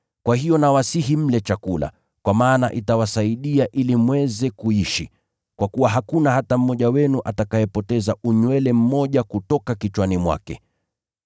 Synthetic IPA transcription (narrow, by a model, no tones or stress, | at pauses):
kwahijɔnawasiɦim̩lɛt͡ʃakula̰ | kwamaːna̰ʔitawasaiɗiaʔilimwɛzɛkuiʃi | kwakuwaɦakunahatam̩ːɔʄawɛnuʔatakajɛpɔtɛzauɲwɛlɛm̩mɔʄakutɔkakit͡ʃwanimwa̰kɛ̰